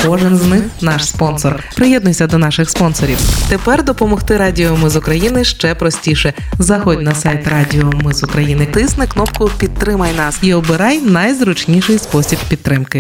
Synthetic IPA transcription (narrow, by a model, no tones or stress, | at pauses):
kɔʒɪnznɪxnɑʃspɔnsɔrpɾɪjɛd̪̚nʊjsʲɐd̪ɔnɑʃɪxspɔnsɔɾʲiwt̪epɛrd̪ɔpɔmɔxt̪ɪɾɑdʲiɔmɪzʊkɾɐjinɪʃt͡ʃɛpɾɔsʲtʲiʃɛ | zɐxɔdʲnɐsajt̪rɑdʲiɔmɪzʊkɾɐjinɪt̪ɪsnɪknɔpkʊpʲid̪̚ɾɪmɐjnɑsiɔbɪɾɑjnɐjzɾʊt͡ʃnʲiʃɪjspɔsʲibpʲid̪t̪ːɾɪmkɪ